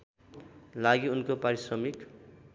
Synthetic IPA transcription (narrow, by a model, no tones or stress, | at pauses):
laɡiunkopaɾisrʌmik